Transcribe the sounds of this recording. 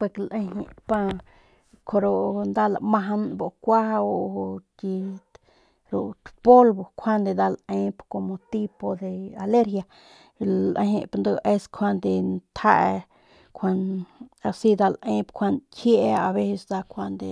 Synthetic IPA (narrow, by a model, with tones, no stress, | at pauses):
pe˧klʔẽ˧ɦḭ̃˧˨pa˧ | kʰo˧ɾo˧nd̪a˦˧la˧mã˧ɦa˧nbo˨kʷa˦o˧ki˧ | ɾu˨t̪po˦lbo˨kʷʰa˦nd̪e˧d̪a˧lẽ˧˦pko˧mo˧t̪i˦po˧d̪e˧a˨le˦ɾhja˧ | lʔḛ̃˧hḛ̃˧pa˧nd̪o˧ʔe˦˧skʰʷa˧nd̪e˧nt̪ʰa˦ʔ | kʰʷa˧na˧si˦d̪a˧lʔẽ˦pkʰʷa˧nkʰje˦ʔa˧βe˦se˧sd̪a˧kʰʷa˧nd̪e˧